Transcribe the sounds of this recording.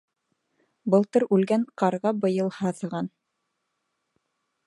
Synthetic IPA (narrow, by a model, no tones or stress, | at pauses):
bɤ̆lˠt̪ɤɾʉlɡæɴqɑɾʁɑbɤ̆jɤ̆lˠhɑθɤ̆ʁɑn